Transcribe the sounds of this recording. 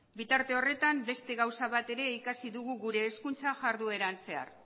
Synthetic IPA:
bit̪aɾt̪e̞o̞re̞t̪ambe̞st̪e̞ɣawsaβ̞at̪e̞ɾe̞ikasiðuɣ̞uɣuɾe̞ːskunt͡saʝaɾðue̞ɾanse̞a̰r

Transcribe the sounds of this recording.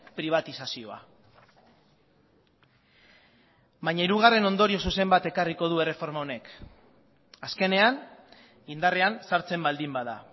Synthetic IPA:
pɾiβ̞at̪isasio̞a̰ | bajɲaiɾuɣ̞are̞no̞nd̪o̞ɾio̞s̬use̞mbat̪e̞kariko̞ð̞ue̞re̞fo̞ɾmao̞ne̞k | aske̞ne̞an | ind̪are̞ansaɾt͡se̞mbald̪imbaða̰

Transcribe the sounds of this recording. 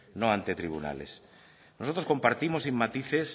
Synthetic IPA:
nõant̪et̪ɾiβ̞ṵna̰lḛs | nosot̪ɾosko̞mpaɾt̪imosimːat̪iθes

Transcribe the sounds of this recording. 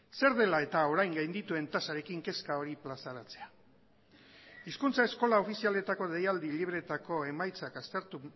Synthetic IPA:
se̞ɾðe̞lae̞t̪ao̞ɾajŋɡajnd̪it̪ue̞nt̪asaɾe̞kiŋke̞skao̞ɾiplasaɾat͡se̞a | iskunt͡sae̞sko̞lao̞fisiale̞t̪ako̞ðejald̪iliβ̞ɾe̞t̪ako̞e̞majt͡sakast̪e̞ɾt̪u

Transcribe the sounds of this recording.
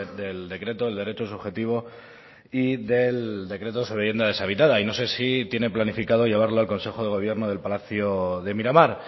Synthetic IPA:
d̪e̞ld̪e̞kɾe̞t̪oðeld̪eɾe̞t͡ʃo̞suβxe̞t̪iβ̞o̞ | iðe̞ld̪e̞kɾe̞t̪̬oseiβje̞nd̪aðe̞saβ̞it̪aðaino̞se̞sit̪je̞ne̞planifikaðo̞ʝe̞βaɾlo̞alko̞nse̞xo̞ð̞e̞ɣo̞β̞je̞ɾno̞ð̞e̞lpalaθjoðe̞miɾamaɾ

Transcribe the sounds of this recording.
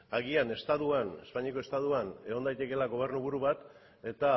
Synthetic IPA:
aɣ̞iane̞st̪aðuane̞spaɲiko̞e̞st̪aðuane̞ɣo̞nd̪ajt̪e̞ke̞laɣo̞β̞e̞rnuβuɾuβat̪ | e̞t̪a

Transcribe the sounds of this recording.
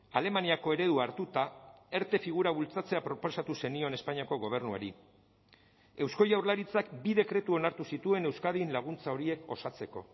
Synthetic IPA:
ale̞maniako̞e̞ɾe̞ðuaɾt̪ut̪ae̞ɾt̪e̞fiɣ̞uɾaβult͡sat͡se̞apɾo̞po̞sat̪use̞nio̞ne̞spaɲiako̞ɣo̞β̞e̞ɾnua̰ɾi | e̞wsko̞jawɾlaɾit͡sakbiðe̞kɾe̞t̪uo̞naɾt̪usit̪ue̞ne̞wskaðinlaɣ̞unt͡sao̞ɾie̞ko̞̰sat͡se̞ko̞̰

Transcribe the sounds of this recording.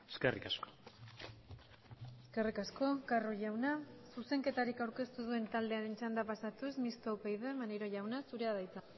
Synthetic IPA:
eskerikasko̥ | eske̞rikasko̞karoʝawnasuse̞ŋke̞t̪aɾikawɾke̞st̪uð̞ue̞nt̪ald̪e̞aɾe̞nt͡ʃand̪apasat̪usmist̪owpejðemaneɾo̞ʝawnasuɾe̞aðajt͡sa

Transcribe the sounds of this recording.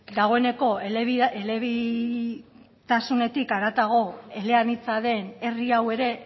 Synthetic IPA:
d̪aɣ̞o̞e̞ne̞ko̞eeβieleβi | t̪asune̞t̪ikaɾat̪aɣ̞o̞e̞le̞anit͡saðe̞ne̞riawe̞ɾe̞

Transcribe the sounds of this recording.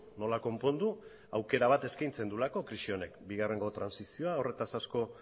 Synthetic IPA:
no̞lako̞mpo̞nd̪u | awke̞ɾaβ̞at̪e̞skajnt͡se̞nd̪ulako̞kɾiʃio̞ne̞kbiɣare̞ŋɡo̞t̪ɾansisio̞ao̞re̞t̪asasko̞

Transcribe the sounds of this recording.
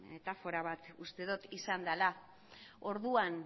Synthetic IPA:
me̞t̪afo̞ɾaβat̪ust̪e̞ðot̪isand̪ala | o̞ɾðuan

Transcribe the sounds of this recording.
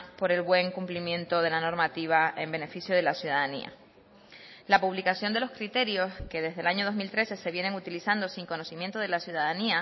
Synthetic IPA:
po̞ɾe̞lβwe̞ŋkumplimjẽ̞nt̪oðe̞lano̞ɾmat̪iβ̞ae̞mbe̞ne̞fisjo̞ð̞e̞lasjuðaðanḭa̰ | lapuβlikasjo̞nd̪e̞lo̞skɾit̪e̞ɾjo̞ske̞ðe̞zðelaɲo̞ð̞ozmilt̪ɾe̞se̞se̞βje̞neŋut̪ilisand̪osiŋko̞no̞simjent̪o̞ðe̞lasjuðaðania

